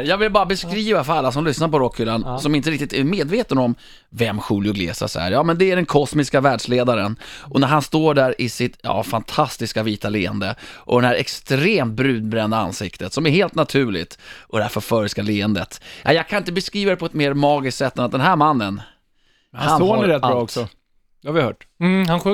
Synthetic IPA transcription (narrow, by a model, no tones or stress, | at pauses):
jɑːɡvɪlbɑːɾabɛskɾiːvafœɾalːas̬ɔmlʏsnaɾpɔɾɔkʰːʏːlːansɔmɪnt̪əɾɪk̚t̪ɪt̪ʰæɾmeːd̪veːt̪ənɔm | vɛmːɧuːljʊɡlḛːsa̰sɑ̰ːəɾjɑːmɛnd̪ɛæɖɛnkʰɔsmɪskavæːɖʂleːd̪aɾənʔɔnæɾɦanst̪oːɖæɾʔɪsɪt̪jɑ̰ːfant̪ʰast̪ɪskaviːt̪ʰaleːənd̪əʔɔd̪ɛnhæɾɛkst̪ɾeːmt̪̚bɾʉ̟ːd̪̚bɾɛnd̪aa̰nsɪkt̪ət̪sɔmæɾheːlt̪nat̪ʰʉ̟ːɭɪ̰t̪ʔɔd̪ɛhæɾfɔɾfœɾskaleːənd̪ət̪ja̰jɑːɡ̚kʰanɪnt̪əbɛskɾiːvad̪ɛpʰɔɛt̪meːɾmɑːɡɪskt̪sɛt̪ːɛnat̪̚d̪ɛnɦæɾmanːən | hhanoɾɛt̪̚ːaːɔkssɔ | havɪahœːʈhan